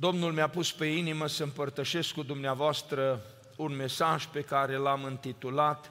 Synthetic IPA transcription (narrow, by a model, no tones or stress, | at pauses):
d̪o̞mnulmeapuspe̞iniməsəɨmpərt̪əʃe̞skːud̪umneavoast̪ɾə | unme̞saʒpe̞kaɾe̞lamɨnt̪it̪ulat̪